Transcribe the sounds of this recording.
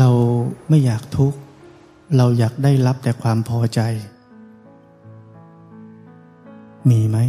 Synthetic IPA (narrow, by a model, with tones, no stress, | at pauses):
ɾa˧wma˥˩jːaː˨˩k̚t̪ʰu˦˥k̚ | ɾa˧wjaː˨˩k̚daː˥˩jɾa˦˥p̚t̪ɛː˨˩kʰwaː˧mpʰɔː˧t͡ɕa˧j | miː˧ma˦˥j